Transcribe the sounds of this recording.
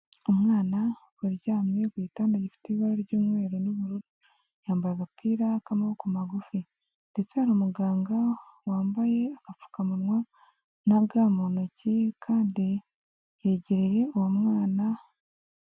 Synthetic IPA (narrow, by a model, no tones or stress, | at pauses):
omŋaːna | uɾɟaːmɲe̞ɡwiːtandajifi̥teβiβaɾoɾɟuːmŋwe̞ːɾonoβuɾuɾu | jaːmbajaɡapʰiːɾakamaβokumaɡufi | nde̞t͡sehaɾoːmuɡaːŋɡawaːmbaje̞akafu̥kamunŋwa | naɡaːmonocikʰaːndi | jeɟiɾeje̞uwomŋaːna